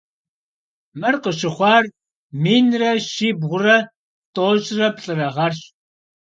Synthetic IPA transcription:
mɨrqəʃɪχʷɑːr | miːnrɐʃiːbʁʷʊrɐ | tʼoːʒʼrɐpɬʼɨrɐʁɐrɕ

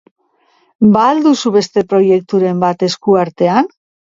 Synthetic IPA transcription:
baːld̪usuβe̞st̪e̞pɾo̞je̞k̚t̪uɾe̞mbat̪e̞skuaɾt̪e̞an

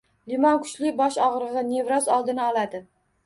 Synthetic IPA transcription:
lɪmɒnkʰʊ̥t͡ʃlɪbɒʃɒʁɾɨʁɑne̞vɾɒzɒlˠd̪ɪnɪɒlad̪ɪ

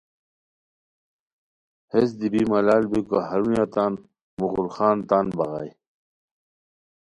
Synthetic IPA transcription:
hes̬d̪ibimɐlaːlbikoahɐɾujat̪an | muɣulxaːnt̪anbɐɣa̰j

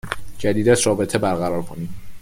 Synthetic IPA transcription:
d͡ʒæd̪iːd̪æzɾɒːbe̞t̪ʰebæɾɣæɾɒːɾkʰoniːm

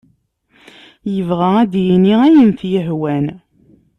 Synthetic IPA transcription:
jəvʁææd̪jiniæjənθjəɦwæn

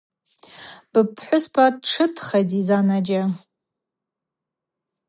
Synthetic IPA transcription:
b̥ɨpʰħʷʊspʰadʈ͡ʂʰɨtʰχajtizanad͡ʒa

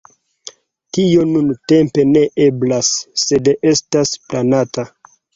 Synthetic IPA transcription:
tio̞nunte̞mpe̞ne̞ʔe̞blasːe̞de̞stasplanata

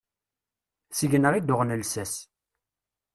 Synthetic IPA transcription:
səʝnəʁid̪ʊʁnəlsæs

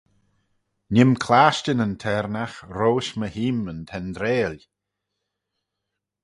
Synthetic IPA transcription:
nɪmkʰlaːʃtənənt̪ʰɛɾnaxɾoːʃməhiːmənt̪ʰɛnd̪ɾeːlʲ

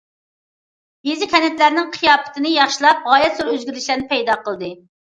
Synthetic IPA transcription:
jezɪkʲʰɛnɛt̪læɾnɪŋqʰijɑːpɪ̥t̪ʰɪnɪjɑχʃilˠɑp̚ʁɑːjɛt̪soɾøzɡʲyɾlɪʃlæɾnɪpʰɛjd̪ɑːqʰəlˠd̪ɨ

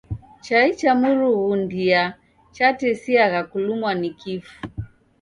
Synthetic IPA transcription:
t͡ʃait͡ʃamuɾuɣundia | t͡ʃatɛsiaɣakulumwanikifu̥

